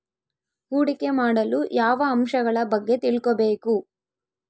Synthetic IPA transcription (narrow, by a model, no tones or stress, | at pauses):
uːɽikemaːɽɐlujaːʋɐːmʂɐɡɐɭɐbɐɡːe̞t̪iɭkobeːku